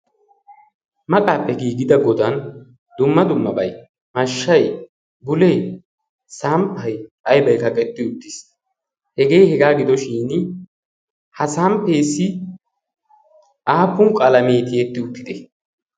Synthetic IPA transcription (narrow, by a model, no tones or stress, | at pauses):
mɐkʼaːpːɛɡiːɡɪd̪ɐɡɔd̪ɐn | d̪ʊmːɐd̪ʊmːɐbɐj | mɐʃːɐj | bʊlej | sampʰːɐjʔɐjbɐjkɐkʼɛt̪ːɪʊt̪ːɪs | hɛɡe̞jhɛɡaːɡɪd̪ɔʃiːn | hɐsampeːsɪ | ʔaːpːʊŋkʼɐlɐmeːt̪ɪɛt̪ːɪʊt̪ːɪd̪ɛ